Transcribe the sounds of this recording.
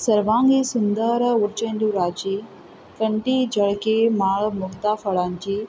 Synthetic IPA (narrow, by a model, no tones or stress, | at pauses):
sɐɾʋãːŋɡiːsʊnd̪əɾʊɾt͡ʃẽːnd̪uɾaːd͡ʒiː | kɐ̃ɳʈiːd͡ʒɐɭkemaːɭmʊɦt̪afəɭaːnd͡ʒiː